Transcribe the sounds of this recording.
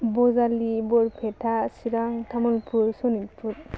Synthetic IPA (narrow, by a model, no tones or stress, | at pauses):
bɔzalibɔɹpʰɛtʰasiɾaŋtʰamɔlpʰuɹsɔnitpʰut